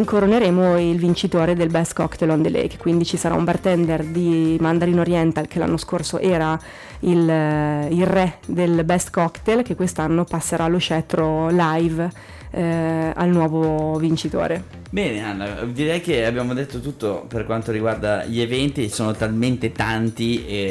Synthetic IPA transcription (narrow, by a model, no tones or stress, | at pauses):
iŋkoɾoneɾeːmoilvint͡ʃit̪oːɾed̪elbɛst̪kɔkt̪elɔnd̪elɛ̰jkkwind̪it͡ʃisaɾa̰umbart̪ɛnd̪erd̪imand̪aːɾinoɾjɛnt̪alkʰela̰nːoskorsoʔɛːɾa | il | ilrɛd̪elbɛst̪kɔkt̪elk̟ekːwest̪anːopasːeɾʔaloʃɛt̪ɾolajv | a̰lnwɔːvovint͡ʃit̪o̰ːɾe | bɛːneanːa̰d̪iɾɛjkeabːjaːmod̪et̪ːot̪ut̪ːoperkwant̪oɾiɡward̪a̰ʎievɛnt̪isoːnot̪alment̪et̪ant̪ie